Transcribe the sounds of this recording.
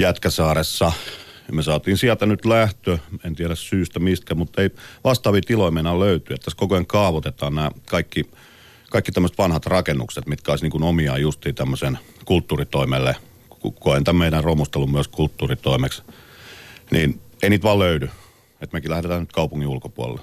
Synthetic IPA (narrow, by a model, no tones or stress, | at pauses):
jæt̪kæsɑːresːɑ | mesɑːt̪iːnsiælt̪ænyt̪læht̪øent̪iæɾæssyːst̪æmist̪̚kæmut̪ːeiʋɑst̪ɑːʋit̪iloimeinɑløyt̪yet̪ːæskokoeŋkɑːʋot̪et̪ɑːnnæːkɑikːi | kɑikːit̪æmːøəset̪ʋɑnhɑt̪rɑkenːukset̪mit̪kæoˑisniːŋkunomiɑijust̪iːt̪æmːøsen | kult̪ːuːrit̪oimelːe | ukoent̪æmmeiɾærromust̪elːummyøskult̪ːuːrit̪oimeks | nḭːneiniːt̪ʋɑːløydy | et̪mekilæhɾet̪æːnyt̪kɑupuŋːiulkopuo̰lḛlːe